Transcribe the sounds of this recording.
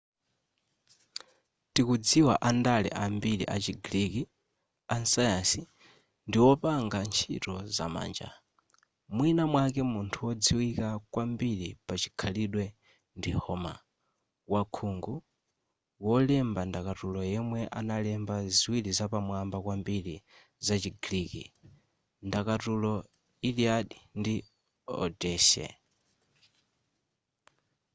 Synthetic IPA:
tikud͡ziwaʔandalɛ̰ʔambiɺḭʔat͡ʃiɡɾiki | ansajansi | ndiwɔpaŋɡant͡ʃʰḭtɔza̰ma̰ːnd͡ʒa̰ | mwinamwakɛmuntʰuwɔd͡ziwikakwambiɺipat͡ʃi̥kʰaliɗwɛ | ndihɔma̰ | wakʰuŋɡu | wɔlɛmbandakatulɔjɛmwɛʔa̰nalɛmbaziwilizapamwambakwambili | zat͡ʃiɡɾiːkḭ | ndakatulɔ | iliaɗindi | ɔ̰dɛːʃɛ̰

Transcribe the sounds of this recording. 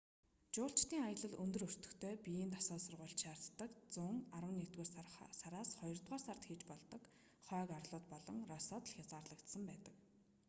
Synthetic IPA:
t͡ɕʊːɬt͡ɕt̪iːŋajə̆ɮə̆ɮɵnt̪ɵ̆ɾɵr̥t̪ɵ̥̆xt̪ʰeːpijiːnt̪asɔːsʊrʁʊːɬt͡ɕʃaːr̥t̪ːə̆kt͡sʊŋarwə̆nːit̪ɡoːrsaɾaːsχɔjɞ̆rt̪ʁaːrsar̥t̪xiːt͡ɕpɔɮt̪ɞ̆k | χœːkarɮʊːt̪̚pɔɮɞ̆ŋrɔsɔːt̪ɮxʲjat͡saːrɮə̆kt̪sə̆mpæːt̪ə̆k

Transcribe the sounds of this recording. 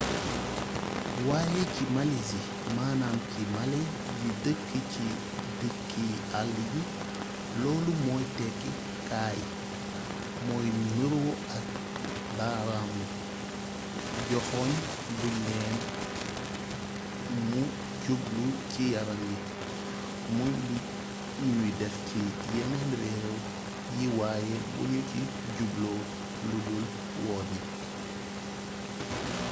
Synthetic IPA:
waːjɛcimɐlizi | maːnaːmcimɐlɛ | jidəkːəci | dəkʰːi | alliɟi | lɔːlumɔːjtɛkːi | kaːj | mɔːjmiɾwɔ | ɐk̚ | baːɾaːmu | ɟɔxɔɲ | dumːɛːn | mu | ɟublucijɐɾɐŋɡit | muni | nujdɛxci | jɛnɛnɾɛːw | jiwaːjɛwṵɲuci | ɟublɔ | ludul | wɔːdi

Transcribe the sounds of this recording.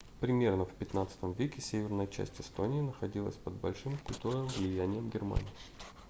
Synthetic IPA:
pɾʲɪmʲe̞rnəfpʲɪt̪nat̪sɨ̥t̪əmvʲekʲɪsʲevʲɪrnəjət͡ɕæ̰sʲtʲɪst̪onʲɪːnəxɐdʲilˠə̰sʲpəd̪̚bɐlʲʂɨmkʊlʲt̪urnɨmvlʲɪjænʲɪjəmɡʲɪrma̰nʲɪjɪ

